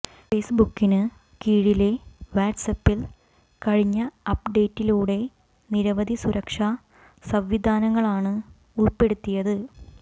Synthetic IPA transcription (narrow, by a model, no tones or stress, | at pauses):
fe̞ːsbukːinɨ | kiːɻile̞ʋaːɖsɐpːil | kɐɻiɲːɐɐpːɖe̞ːtːiluːɽe̞ | niɾɐʋɐd̪ʱisuɾʔɐkʂa | sɐmʋid̪ʱaːnɐŋːɐɭaːɳɨ | uɭpe̞ɽut̪ːijɐðɨ